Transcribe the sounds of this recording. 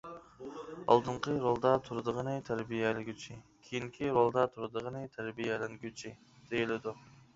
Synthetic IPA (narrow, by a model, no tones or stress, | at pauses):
ɑ̰lˠd̪ɨɴqʰəɾolˠd̪ɑt̪ʰuɾd̪əʁənɨt̪ʰæɾbijɛlɪɡʲyt͡ʃʰikʲʰejiŋkʲʰiɾolˠd̪ɑt̪ʰuɾd̪əʁənɨt̪ʰæɾbijɛlɪnɡʲyt͡ʃʰi | d̪̥ejilɪd̪u